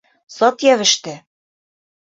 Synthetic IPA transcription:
sɒt̪jævɘ̆ʃt̪ɘ

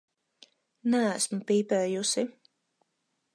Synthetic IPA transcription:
nææsmupiːpɛːjusi

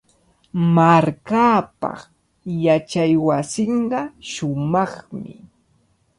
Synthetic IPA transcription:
maɾkaːpɑ̰χ | jat͡ʃajwasɪɴɢɑʃʊmɑχmɪ̰

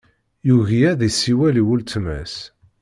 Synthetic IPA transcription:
juɣijæðisiwæliwult͡sːmæ̰s

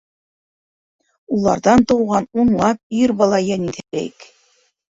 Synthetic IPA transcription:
ulˠɑ̰ɾðɑnt̪ɤ̆wʁɑnunlˠɑp̚iɾbɑlˠɑjɤniθæɾæ̰jk

